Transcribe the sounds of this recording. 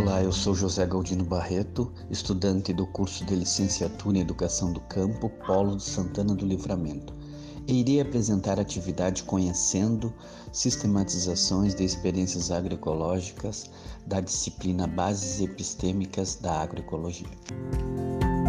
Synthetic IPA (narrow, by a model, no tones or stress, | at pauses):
olaewsowʒozɛɡowd͡ʒĩnʊbahet̪ʊ | ɪst̪ud̪ɐ̃nt̪ɪd̪ʊkuɾsʊd̪ɪlisẽsiat̪uɾɐĩed̪ukasɐ̃w̃d̪ʊkʰɐ̃mpʊpalʊd͡ʒɪsɐ̃nt̪ɐ̃nɐd̪ʊlifɾamẽnt̪ʊ̥ | eiɾiapɾezẽnt̪aɾat͡ʃivid̪ad͡ʒɪkõɲesẽnd̪ʊ | sist̪emat͡ʃizasõj̃zd̪ɪːspeɾiẽsjɐzaɡɾoekolɔʒikɐz̥ | d̪ɐd͡ʒisiplĩnɐbazɪzepist̪ẽmikɐzd̪ɐaɡɾoekoloʒiɐ